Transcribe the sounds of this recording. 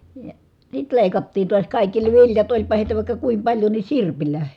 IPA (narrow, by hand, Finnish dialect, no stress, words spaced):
jɑ sit leˑikɑtːiːn̞ tuɑs kɑˑikːi ne ʋiljɑt olʲpɑ heˑitæ ʋɑˑikːɑ kuim pɑlʲjo ni sirpilæ